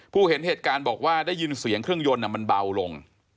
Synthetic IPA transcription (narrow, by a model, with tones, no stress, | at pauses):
pʰuː˥˩he˩˦nɦeː˨˩t̪̚kaː˧nbɔː˨˩k̚waː˥˩daː˥˩ji˧nsi˨˩˦əŋkʰɾɯ˥˩əŋjo˧nːa˧˩ma˧nba˧wlo˧ŋ